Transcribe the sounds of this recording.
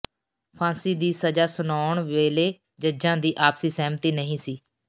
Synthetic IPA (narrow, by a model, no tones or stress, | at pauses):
pʰãːsiːd̪iːsəd͡ʒaːsʊnaːɳʋeːleː | d͡ʒəd͡ʒãːd̪iːʔaːpsiːsɛːmt̪iːnəɦĩːsiː